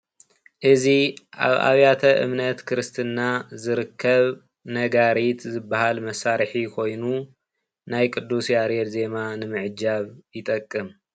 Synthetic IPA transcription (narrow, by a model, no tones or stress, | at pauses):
ʔɨziʔa̰βʔa̰βjat̪ʰɐʔɨ̰mnɐt̪kʰɨɾɨst̪ʰɨnːazɨɾɨkʰːɐβ | nɐɡaɾit̪zɨbːahalmɐsaɾħikʰo̞jnu | najkʼɨd̪ːusjaɾɛt̪ze̞manɨmɨʕɨd͡ʒaβjɪt̪ʼɐkʼːɨm